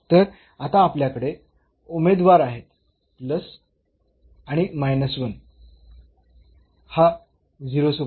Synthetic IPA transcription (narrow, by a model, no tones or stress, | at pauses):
t̪əɾ | at̪aːpljakəɽe | umed̪ʋaɾaɦet̪ | pləs | aɽ̃imajnəsʋən | ha | d͡ziɾosu